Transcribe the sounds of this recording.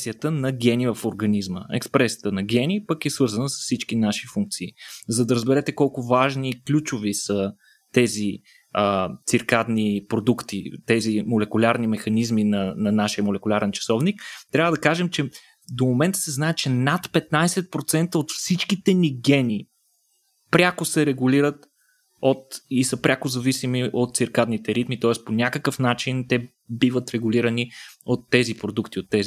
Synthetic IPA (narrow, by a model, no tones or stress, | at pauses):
sijət̪ənɐɡʲɛnivɐfoɾɡɐnizmə̰ɛ̰kspɾɛsijə̥t̪ənɐɡʲɛnʲipəkɛsvɤɾzɐnəsə̥sfsit͡ʃkinaʃi̥fuŋk̚t̪siːzɐd̪ɐɾəzbɛɾɛt̪ɛkɔlˠkʊvaʒniːklʲut͡ʃʊvisə | t̪ɛzi | ət̪siɾkad̪nipɾod̪ukt̪it̪ɛzimolɛkʊlʲaɾnimɛxɐnizminɐnɐnaʃiəmolɛkʊlʲaɾɛnt͡ʃɐ̥sɔvnikt̪ɾʲavəd̪ɐkaʒɛmt͡ʃɛ | d̪omomɛnt̪ə̥sɛznaɛt͡ʃɛnat̪pɛt̪najsɛt̪̚pɾot̪sɛnt̪əot̪fsit͡ʃkit̪ɛniɡɛnʲi | pɾʲakosɛɾɛɡʊliɾət̪ | ot̪isəpɾʲʔakozɐvisimiʔot̪̚t̪siɾkad̪nit̪ɛɾit̪mit̪ɔɛsponʲakəkəfnat͡ʃint̪ɛ | bivət̪ɾɛɡʊlʲiɾəniot̪ːɛzipɾod̪ukt̪iot̪ːɛzi